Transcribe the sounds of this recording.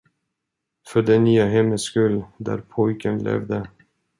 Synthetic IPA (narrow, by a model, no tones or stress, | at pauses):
fœɖɛnːyːaɦɛmːəskɵld̪æ̰ɾpʰɔjkənlɛ̰vd̪ə